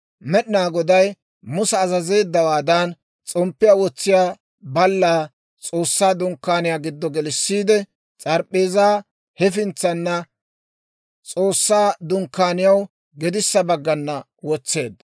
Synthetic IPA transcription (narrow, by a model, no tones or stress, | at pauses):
mɛɗɪnaːɡɔd̪ɐj | mʊsɛːzɐze̞ːd̪ːɐwaːd̪ɐn | t͡sʼɔmpːɪjaːwɔt͡sːɪjaː | bɐlːaː | t͡sʼo̞ːsːaːd̪ʊŋkːaːnɪjaːɡɪd̪ːɔɡɛlɪsːiːd̪ɛ | t͡sʼɐɾpʼːeːzaː | hɛfɪnt͡sːɐnːɐ | t͡sʼo̞ːsːaːd̪ʊŋkːaːnɪjɐw | ɡɛd̪ɪsːɐbɐɡːɐnːɐ | wɔt͡sːe̞ːd̪ːɐ